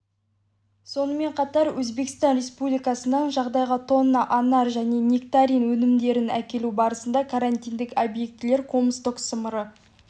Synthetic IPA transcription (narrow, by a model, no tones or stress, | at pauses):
so̞nəme̞ɴqʰɑt̪ɑɾwɵzbe̞kə̥st̪ɑnrʲe̞spublijkɑsənəɴʒɑʁd̪ɑjʁət̪ʰo̞nːɑʔɑnɑɾʒæne̞nʲikt̪aɾinwɵnɪmd̪e̞ɾɪnæ̰kʲe̞lubɑɾəsənd̪ɑkʰaɾanʲt̪ʲijnd̪ɪkobje̞k̚t̪ɪle̞ɾkʰo̞mst̪oksəməɾə